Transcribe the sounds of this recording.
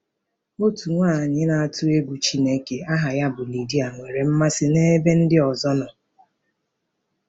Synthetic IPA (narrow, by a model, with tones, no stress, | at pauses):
o˦tu˨ŋʷaː˦˨ɲɪ˦na˦a˦tʊ˦e˦ɡʷu˨t͡ʃi˦ne˦ke˨a˦ɦa˨ja˦bʊ˨li˨di˦a˨ŋʷe˨ɾe˨m̩˦ma˦sɪ˦ne˦be˦n̩˦dɪ˦ɔ˨zɔ˦nɔ˨